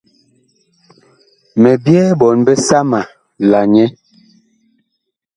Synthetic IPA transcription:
mɛ˨bjɛː˦bɔ˨nbɛ˦sa˦ma˨ | la˨ɲɛ˦

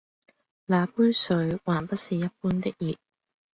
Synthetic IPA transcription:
laː˨˧puː˥jsɵ˨˧ɥwaː˨˩npɐ˥t̚siː˨jɐ˥t̚puː˥nt̪ɪ˥k̚jiː˨˩t̚

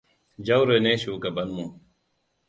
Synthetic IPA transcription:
d͡ʑɐ˦wɾe˨neː˦ɕuː˨kɐ˨bɐnmu˨

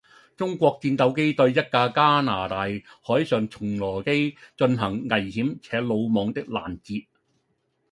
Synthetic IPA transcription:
t͡sʊ˥ŋkʷɔː˧k̚t͡siː˧nt̪ɐ˨˥wke˥jt̪ɵ˧ɥjɐ˥t̚kaː˧kaː˥naː˨˩t̪aː˨jhɔː˨˥jsœː˨˩ŋt͡sʰʊ˨˩ŋlɔː˨˩ke˥jt͡ʃɵ˧nɦɐ˨˩ŋːɐ˨jhiː˨˥mt͡sʰɛː˨˥lo˨˧wmɔː˨ŋt̪ɪ˥k̚la̰ː˨˩nt͡siː˧t̚

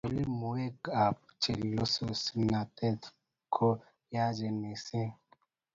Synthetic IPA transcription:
o˨li˦mo˨we˦ɡa˨p̚t͡ʃe˨lo˦so˨si˨na˨tɛ˦t | kʰo˦ | ja˦d͡ʒɛ˨ne˨sɛ̃˦

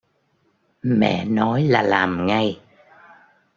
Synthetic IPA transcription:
mɛ̰˧˨nɔ˨˦jlaː˨˩laː˨˩mŋa˧j

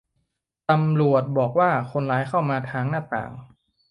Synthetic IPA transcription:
t̪a˧mlu˨˩ət̪̚bɔː˨˩k̚waː˥˩kʰo˧nlaː˨˦˥jkʰa˥˩wmaː˧t̪ʰaː˧ŋnaː˥˩t̪a̰ː˨˩ŋ

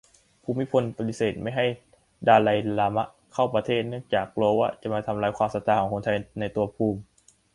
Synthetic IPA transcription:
pʰuː˧mi˦˥pʰo˧npa˧t̪i˧˥seː˨˩t̪̚ma˥˩jɦa˥˩j | daː˧la˧jlaː˧ma˦˥ʔ | kʰa˥˩wpɾa˧t̪ʰeː˥˩t̪̚nɯ˥˩əŋt͡ɕaː˨˩k̚loː˧wa˥˩t͡ɕa˨˩ʔmaː˧t̪ʰa˧mlaː˧˥jkʰwaː˧msa˨˦˥t̪aː˧˩kɔː˩˦kʰo˧nt̪ʰa˧jna˧jt̪u˧ɐpʰuː˧m

